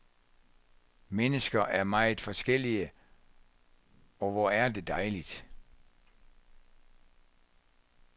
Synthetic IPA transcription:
menəsɡ̥ɐʔæɐmɑ̈ɪð̩ˠfɒ̽sɡ̥el̰iə | ɒ̽ʋɒæɐde̝d̥ɑ̈ɪlid̥

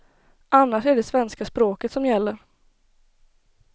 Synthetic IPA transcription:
ʔanːaʂæɖɛsvɛnskaspɾoːkət̪sɔmjɛlːəɾ

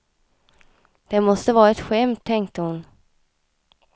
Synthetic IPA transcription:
d̪̥ɛmɔst̪əvɑːɾaɛt̪ɧɛmt̪ʰːɛŋkt̪əhʊn

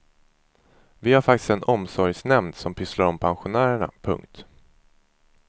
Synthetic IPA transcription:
vɪhaɾfak̚t̪ɪ̥st̪ɛnɔmsɔɾjsnɛmnsɔmpʰʏslaɾɔmpʰanɧʊnæːɾəɳa̰pʰɵ̰ŋk̚t̪

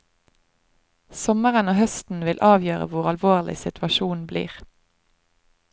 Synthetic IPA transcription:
sɔməʁənoːhœst̪n̩ʋɪlʔɑːʋjøːʁə̰ʋʊʁɑlʋoːʁlɪ̰sɪt̪ʰʉʋɑʃuːnblḭːʁ

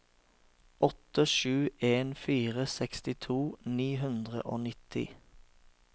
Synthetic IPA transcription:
ʔɔt̪əʃʉːeːnfiːʁəsɛkst̪ɪt̪ʰuːniːɦʉnd̪ʁə̰ʔoːnɪt̪ʰɪ̰

